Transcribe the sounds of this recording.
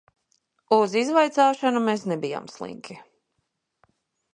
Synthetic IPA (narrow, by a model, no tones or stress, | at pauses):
uzizvajt̪saːʃanumeːsnɛbija̰ːmslˠḭŋki